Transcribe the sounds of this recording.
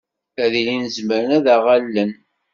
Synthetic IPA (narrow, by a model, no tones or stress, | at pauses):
æðilinzməɾənæðaʁalːən